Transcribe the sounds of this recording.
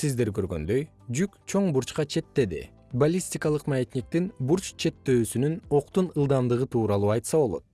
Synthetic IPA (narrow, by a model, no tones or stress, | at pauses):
sizd̪e̞ɾkø̞ɾɡø̞̰nd̪ø̞j | d͡ʒykt͡ʃʰo̞ɴbuɾt͡ʃqɑt͡ʃʰe̞t̪ːe̞d̪ḭ | balʲisʲtʲikɑlˠɯqmaet̪ʲnʲik̚t̪inbuɾt͡ʃt͡ʃʰe̞t̪ːø̞ːsynyno̞q̚t̪unɯlˠd̪ɑmd̪ɯʁɯt̪ʰuːɾɑlˠuːɑjt̪sɑβo̞lˠo̞̰t̪̚